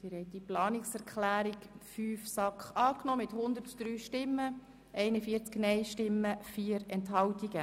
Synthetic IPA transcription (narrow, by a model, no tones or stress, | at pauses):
tɪɾhɛɪt̚d̥iplɑːnɪksɛɾkχlæːɾikfyːfsɑkχɑːknɔːmɪthʊnd̪ətd̥ɾyːʃtɪmːə | ʔɛɪnəfiːəɾt͡sknɛɪʃtɪmːəfiːəɾɛntɦɑwtiɡ̥ə